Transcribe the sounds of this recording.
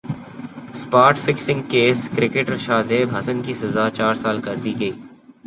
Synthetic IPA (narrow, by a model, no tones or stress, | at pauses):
spaːɾʈfɪksɪ̃ŋɡ̚keːskɾɪkeːʈəɾʃaːzeːbʱɦɐsənkisɐzaːt͡ʃaːɾsaːlkɐɾd̪iɡɐiː